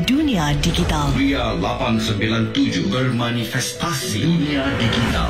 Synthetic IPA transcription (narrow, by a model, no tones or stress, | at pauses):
dunijadiɡit̪alɾialapaŋsəmbilant̪ud͡ʒubərmanifɛst̪asiniadiɡit̪a̰l